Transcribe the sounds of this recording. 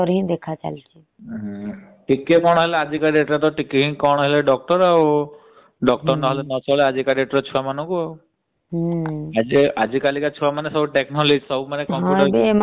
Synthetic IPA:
ɔɾɦĩd̪ekʰat͡ʃa̰lt͡ʃʰi | ʈikekɔɽ̃ɦelead͡ʒikaɖeʈɾat̪ɔʈikeɦĩkɔɽ̃ɦeleɖɔk̚ʈɔɾaw | ɖɔk̚ʈɔɾnɔɦelenɔt͡ʃʰɔlead͡ʒikaɖeʈɾɔt͡ʃʰuamanɔ̃ŋkua | ad͡ʒiad͡ʒikalikat͡ʃʰuamanesɔbuʈeknɔled͡ʒsɔbumanekɔ̃mɦũʈɾbm

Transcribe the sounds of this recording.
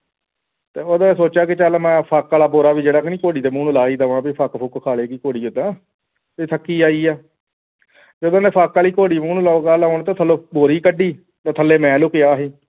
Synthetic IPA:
t̪eːoːd̪ãːsoːt͡ʃaːkɪt͡ʃaːlmɛ̃ːpʰaːkːaːlaːboːɾaːʋiːd͡ʒeːɽaːkɪnĩːkoːɽiːd̪eːmuːnːlaːiːd̪aãːbiːpʰakpʰʊkkʰaːleːkiːkoːɽiːod̪ãː | eːt̪ʰəkːiːaːiːaː | d͡ʒəd̪õːnẽːpʰaːkːaːliːkoːɽiːmũːnːlaoːɡaːlaːoɳt̪ãːt̪ʰəlːoːboːɾiːkəɖiː | t̪at̪ʰəlːeːmɛ̃ːloːkɪaːɦeː

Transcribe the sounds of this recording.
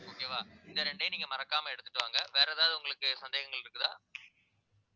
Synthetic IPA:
oːkeːʋaːɪnd̪ɐɾɛɳɖejniːŋɡɐmɐɾɐkːaːmɐɛɽɯt̪ːɯʈːɯʋaːŋɡɐʋeːɾɐðaːðɯʊŋɡɐɭɯkːɯsɐnd̪eːɣɐŋɡɐɭɪɾɯkːɯt̪ã̰ː

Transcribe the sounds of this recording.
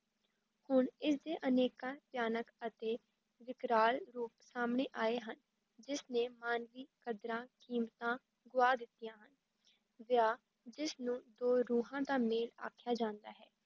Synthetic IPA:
hʊɳɪsd̪eːʔəneːkãːpjaːnəkət̪eː | ʋɪkɾaːlɾuːpsaːmɳeːʔaːeːɦən | d͡ʒɪsneːmaːnʋiːkəd̪ɾãːkiːmt̪ãː | ɡʊaːd̪ɪt̪ːijãːɦən | ʋɪjaː | d͡ʒɪsnũːd̪oːɾuːɦãːd̪aːmeːla̰ːkʰjaːd͡ʒãːnd̪aːɦɛː

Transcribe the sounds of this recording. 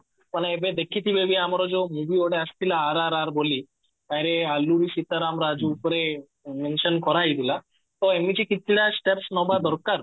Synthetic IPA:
pəɳebed̪ekʰit̪ibeʋiamaɾɔd͡zɔmuʋioɽeəst̪ilaːɾaɾaɾboli | k̪ajɾealːuɾisit̪aɾamɾad͡zuːpɾe | menɕənkɔɾaɦid̪ila | t̪ɔemit͡ɕikit̪̚ːiɽjasʈepsnɔbad̪ʱɔɾkaɾ

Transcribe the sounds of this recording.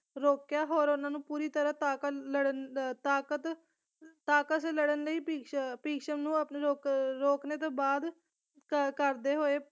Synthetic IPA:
ɾoːkjaːɦoːɾʊnãːnũːpuːɾiːt̪əɾãːt̪aːkələɽənt̪aːkət̪ | t̪aːkət̪seləɽənləiːpiːpiːkʃəmnũːəpneːɾoːkɾoːkneːt̪̬oːbaːd̪ | kkəɾd̪eːɦoːeː

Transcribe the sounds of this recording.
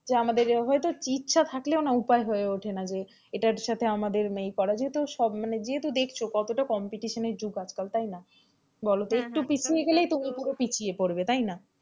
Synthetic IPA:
d͡ʑeamad̪eɾɦɔjt̪ot͡ɕitːɕʰat̪ʰakleonaupaeɦoeoʈʰenad͡ʑe | eʈaɾʃat̪ʰeamad̪eɾmejkɔɾad͡ʑet̪oʃɔbmaned͡ʑeet̪od̪ekʰt͡ɕʰokɔt̪oʈakɔmpiʈiʃoneɾd͡ʑuɡad͡ʑkalt̪ajna | bɔlot̪oek̚ʈupit͡ɕʰieɡelejt̪umikoɾopit͡ɕʰiepoɾbet̪ajna

